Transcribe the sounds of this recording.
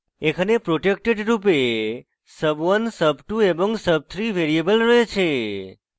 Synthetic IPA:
ekʰənepɾoʈek̚ʈeɖɾupe | səbʋənsəbʈuebɔ̃ŋɡsəb̚t̪ʰɾiʋeɾiebəlɾəet͡ʃʰe

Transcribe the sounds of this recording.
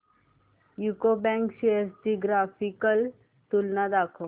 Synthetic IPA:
jukobɛ̃ŋkʃeəɾsd͡ʒiɡɾaːfikəl | t̪ulnad̪aːkʰo

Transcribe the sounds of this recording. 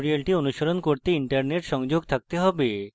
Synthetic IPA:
ɾialʈionuʃoɾonkoɾt̪eiɳʈaɾneʈʃɔŋd͡ʑoɡt̪ʰak̚t̪eɦɔbe

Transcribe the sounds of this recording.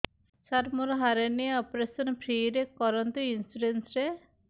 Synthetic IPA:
saɾmuɾɦaɾeniɔpɾesɔnpʰɾiːɾekɔɾɔnt̪uinsuɾensɾe

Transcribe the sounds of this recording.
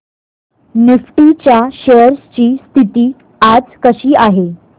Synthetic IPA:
nifʈit͡ɕjaɕeəɾst͡ɕiːst̪ʰit̪iː | ad͡zkəɕiːaɦe

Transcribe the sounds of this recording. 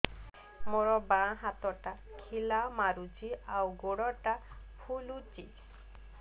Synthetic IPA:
moɾɔbãɦat̪ɔʈa | kʰilamaɾut͡ʃiawɡoɽɔʈa | pʰulut͡ʃi

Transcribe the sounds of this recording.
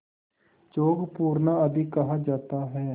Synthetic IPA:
t͡ʃoːɡpuːɾnaːəd̪ikəɦaːd͡ʒaːt̪aːɦɛː

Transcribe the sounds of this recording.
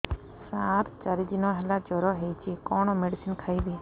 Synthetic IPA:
sat̪t͡ʃaɾid̪inɔɦelad͡ʒɔɾɔɦejt͡ʃʰikɔɽ̃ɔmeɖisinkʰajbe

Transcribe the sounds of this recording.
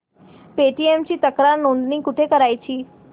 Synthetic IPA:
peʈiemt͡ʃʰit̪əkɾaɾnõnd̪nikʊʈʰekəɾajt͡ʃʰi

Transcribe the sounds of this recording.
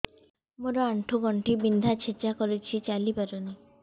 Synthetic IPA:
moɾoaɳʈʰuɡɔɳʈibind̪ʱat͡ɕʰet͡ʃakɔɾet͡ɕʰit͡ɕalipaɾoni

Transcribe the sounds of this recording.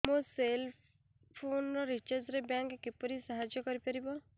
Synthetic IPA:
mõsel | pʰonɔɾit͡ʃəɾd͡ʒɾebjãŋkkipɔɾisaɦad͡ʒjɔkɔɾipɐɾibɔ

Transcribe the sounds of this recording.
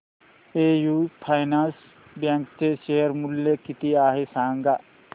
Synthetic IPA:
eːjuːpʰajnãːns | bjãŋkt̪eʃeɦəɾmulːekit̪iaːɦesãːŋɡa

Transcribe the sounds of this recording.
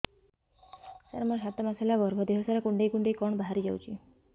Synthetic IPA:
sa̰ɾmɔʃat̪ɔmaselabɔɾbʱɔd̪eɦɔsaɾakuɳɖejkuɳɖejkɔɳbaɦaɾid͡ʒa̰wt͡ʃʰi

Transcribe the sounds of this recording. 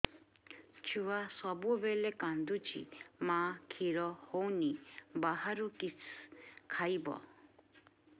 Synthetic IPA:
t͡ʃʰuwasɔbuɔbelekand̪ut͡ʃʰḭmãkʰiɾɔhownibaɦaɾuki | kʰajbɔ̰

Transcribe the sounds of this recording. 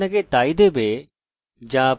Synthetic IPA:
əkʰet̪aːid̪ebʱeː | d͡ʑãː

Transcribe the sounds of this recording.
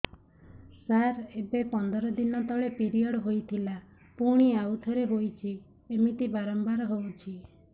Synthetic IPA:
saɾebepɔnd̪ɔɾɔd̪inɔt̪ɔɭepiɾijɔɽɦojt̪ʰila | puɽ̃iawt̪ʰɔɾeɦojt͡ʃʰi | emit̪ibaɾɔmbaɾɦowt͡ʃʰi

